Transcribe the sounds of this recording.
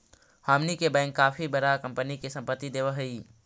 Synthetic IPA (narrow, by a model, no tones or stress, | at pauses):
haːmnikebɛ̃ɪŋkːaːpʰibəɾakə̃mpənikesə̃mpət̪ːid̪eːʋəɦəi